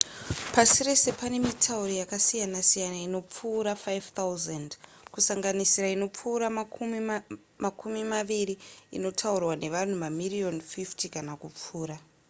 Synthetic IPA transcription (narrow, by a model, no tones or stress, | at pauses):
pasire̞se̞pane̞mitʰauɾijakasijanasijanaino̞p͡fuːɾafajvt̪auzand | kusaŋɡanisiɾaino̞p͡fuːɾa | makumimaʋiɾiḭno̞tʰaurwane̞ʋan̤umamirio̞nfiftikanakup͡fuːɾa